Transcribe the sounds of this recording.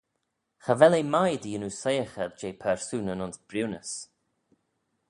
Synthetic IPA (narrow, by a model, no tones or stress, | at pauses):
xavɛlejmajd̪iːənusejəxədd͡ʒeːpʰɛɹsunənʊnsb̥ɾiwnəs